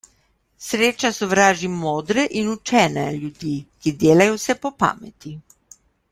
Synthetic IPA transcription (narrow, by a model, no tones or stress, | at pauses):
sɾeːt͡ʃasɔʋɾaːʒimoːd̪ɾɛʔinut͡ʃɛːnɛljud̪iːkid̪eːlajɔsɛpɔpa̰ːmɛt̪i